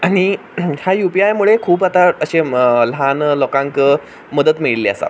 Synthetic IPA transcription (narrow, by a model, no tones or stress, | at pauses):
aɽ̃i | hjajupiajmuɭekʰuːpat̪aəɕelɦanlɔkãŋkə | məd̪ət̪miɭliəsa̰